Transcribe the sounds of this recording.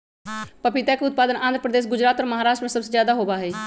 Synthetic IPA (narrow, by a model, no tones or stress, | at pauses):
pəpit̪ɛːkʊt̪̚paːd̪ənʔãːnd̪ʱəpɾəd̪eːs̬ɡʊd͡ʒɾaːt̪ɔːɾməɦaːɾaːʃʈɾmẽsəbsezjaːd̪aɦoːbaːɦeː